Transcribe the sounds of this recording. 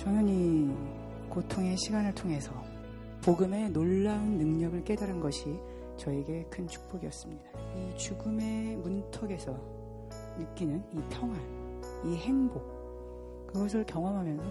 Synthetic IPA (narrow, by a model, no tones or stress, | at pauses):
t͡ɕʌnɯni | kotʰoŋe̞ɕʰiɡanɯɭtʰoŋe̞sʰʌ | poɡɯme̞noɭːaɯnːɯŋɲʌɡɯɭk͈e̞daɾɯnɡʌɕʰi | t͡ɕʌeɡe̞kʰɯnt͡ɕʰu̥k̚p͈oɡiʌs͈ɯmɲidait͡ɕuɡɯme̞muntʰʌɡe̞sʰʌ | nɯk͈inɯnipʰjʌŋɦan | ihe̞ŋbok̚ | kɯɡʌs̬ʰɯɭkjʌŋʌmɦamjʌnsʰʌ